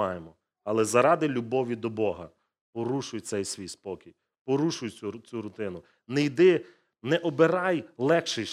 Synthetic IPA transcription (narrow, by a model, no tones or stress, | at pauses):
ɑjemɔ | ɐlˠɛzɐɾɑd̪ɪlʲubɔʋʲid̪ɔbɔɦɐ̰ | pɔɾuʃʊjt̪sɛjsʲʋʲijspɔkʲij | pɔɾuʃʊjʲut͡sʲuɾʊt̪ɪnʊ | nɛjd̪ɪ | nɛʔɔbeɾɑjlˠɛxʃɪ